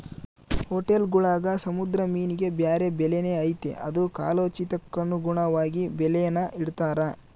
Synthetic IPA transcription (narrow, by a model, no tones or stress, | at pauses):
hoʈelɡuɭaːɡɐsɐmud̪ɾɐmiːniɡe̞bjaːɾe̞bɛlene̞ːɐjt̪ḛʔɐd̪uka̰ːloːt͡ʃit̪ɐkːɐnːuɡuɳɐʋaːɡibɛlɛjɐnːɐʔiɽt̪aːɾɐ